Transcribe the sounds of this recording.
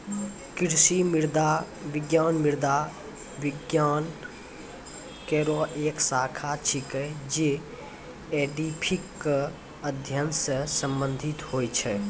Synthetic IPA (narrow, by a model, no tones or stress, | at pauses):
kiɾsimiɾd̪a | ʋiɡjaːnmiɾd̪a | ʋiɡjaːn | keɾɔʔeksakʰat͡ʃʰikəd͡ʒe | eɖipʰikː | əd̪ʱjənsəsəmbənd̪ʱit̪ɦojt͡ʃʰɛ